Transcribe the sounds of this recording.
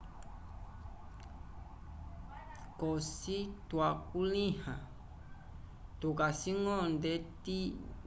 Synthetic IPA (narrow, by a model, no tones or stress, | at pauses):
kɔsitwakulĩhã | tukasiŋɔ̃ndɛti